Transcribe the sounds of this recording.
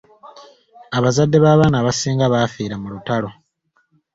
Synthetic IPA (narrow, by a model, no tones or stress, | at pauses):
aβazadːe̞βaːβaːnaːβasiːŋɡaβafiːɾamulutalo̞